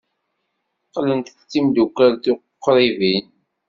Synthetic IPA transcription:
qlənt̪t͡sːimd̪ukːælθuqqːɾˤivin

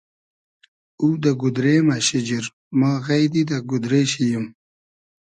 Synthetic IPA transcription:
uːd̪aɡud̪ɾeːmaɕid͡ʑiɾ | maːɣajd̪id̪aɡʊd̪ɾeːɕijim

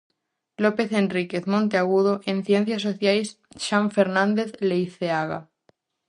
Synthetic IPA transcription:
lope̞θe̞ndrikeθmõnt̪eaɣ̞uð̞oʔẽnθjen̟θjas̬oθjajsʃãɱfeɾnãnd̪eθlejθeaɣa̰

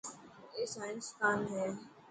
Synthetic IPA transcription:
eːsaːɪnskaːnɦejaː

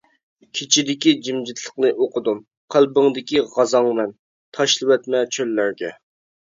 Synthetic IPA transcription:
kʲʰet͡ʃʰid̪ɪkʲid͡ʒimd͡ʒɪt̪ʰlˠəχqnɨʔoqʰəd̪um | qʰælˠbəŋd̪ɪkʲiʁɑzɑŋmɛn | t̪ʰɑʃlˠɨwɛt̪mɛt͡ʃʰølːæɾɡʲɛ

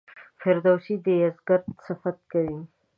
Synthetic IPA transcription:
fɪɾd̪awʃid̪əjazɡaɾd̪safat̪̚kawi

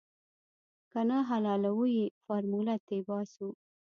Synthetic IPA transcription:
kanaɦalɑlawujifaɾmulat̪ebɑsu

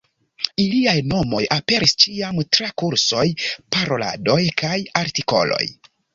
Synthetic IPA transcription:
iliajno̞mo̞jape̞ɾist͡ʃiamtɾakuɾso̞jpaɾo̞la̰do̞jkʰajaɾtiko̞̰lo̞̰j

